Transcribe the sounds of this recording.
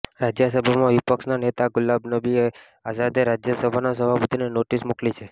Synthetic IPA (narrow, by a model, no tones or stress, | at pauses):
ɾad͡ʒjəsəbʱamãʋipəkʃnanet̪aɡʊlabnəbie | azad̪eɾad͡ʒjəsəbʱanasəbʱapət̪ʰinenoʈismuklit͡ʃʰe